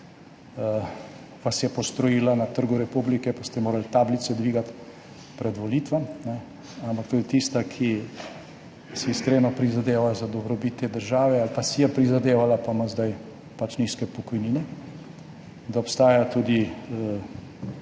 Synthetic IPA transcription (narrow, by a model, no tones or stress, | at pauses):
ʋasjɛpɔst̪ɾɔjiːlanat̪əɾɡuɾɛpublikɛpast̪ɛmoːɾalt̪aːblit̪sɛd̪ʋiːɡat̪ | pɾɛd̪ʋɔliːt̪ʋamnɛ | ampak̚t̪uːd̪it̪ist̪akʰi | sɛiskɾeːnɔpɾizad̪eːʋazad̪ɔbɾɔbit̪ːeːd̪əɾʒaːʋɛalpasijɛpɾizad̪eːʋalapaməzd̪aj | pat͡ʃniːskɛpɔkɔjniːnɛ | d̪aɔpst̪aːjat̪uːd̪i